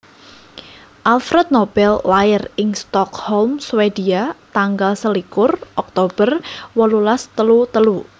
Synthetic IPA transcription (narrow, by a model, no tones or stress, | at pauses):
ʔalfɾɛt̪̚nob̥ɛlːaɪrɪŋst̪ɔkhɔlmswed̪iat̪aŋɡalsəlikʊrʔɔk̚t̪ob̥ərwɔlulast̪əlut̪əlu